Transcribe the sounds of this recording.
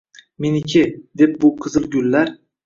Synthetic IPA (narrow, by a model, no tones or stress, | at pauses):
menɪkʲʰɪd̪e̞p̚bʊqʰɨzɨlˠɡʲʊlːaɾ